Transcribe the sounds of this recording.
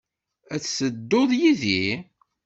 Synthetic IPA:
æt͡ssəd̪ːoðˤjiði

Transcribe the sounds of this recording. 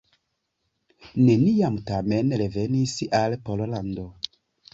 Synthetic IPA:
neniamtamenɾevenisalpololando

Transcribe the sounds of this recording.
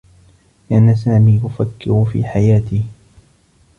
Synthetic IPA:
lɪʔanasaːmiːʔʊfakːɪɾʊfḭːħajaːt̪iː

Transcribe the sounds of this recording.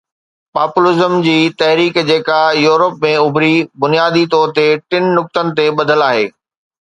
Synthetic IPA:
paːpʊlɪzəmd͡ʑiːt̪ɐɦɾiːkd͡ʑeːkajuːɾəpmẽʊbʱɾibʊnijaːd̪it̪ɔːɾt̪eʈɪnnʊk̚t̪ənɪ̆t̪eɓɐd̪ʱəlaːɦḛː

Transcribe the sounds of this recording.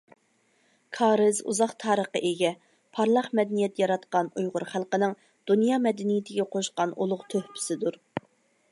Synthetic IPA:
kʰɑːɾɨzṵzɑqt̪ʰɑːɾəqəʔeɡʲɛ | pʰɑɾlˠɑχmɛd̪ɛnijɛt̪jɑɾɑt̪qɑnujʁʊɾχælˠqənɨŋ | d̪̥unjɑːmɛd̪ɪnijɪt̪ʰɪɡʲɛqʰoʃqɑnulˠʊqt̪ʰøhpʰɪ̥sɪd̪uɾ

